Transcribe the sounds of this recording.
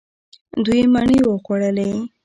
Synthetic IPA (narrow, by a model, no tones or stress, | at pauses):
d̪ujmaɳiwəxoɽəle